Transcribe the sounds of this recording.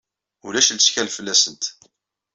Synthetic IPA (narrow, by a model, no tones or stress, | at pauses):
ulæʃlsçælfəlːæsənt̪